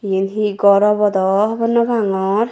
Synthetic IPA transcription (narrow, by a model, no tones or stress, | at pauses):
jinɦiɡɔɾɔbɔd̪ɔbɔnːɔbaŋɔɾ